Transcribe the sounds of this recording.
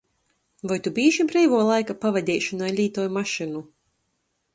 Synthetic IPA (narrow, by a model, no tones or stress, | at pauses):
vajt̪ubiːʃibɾɛjvuɔlˠajkapavɛd̪ʲɛːʃunajlʲiːt̪ɔːjmaʃinu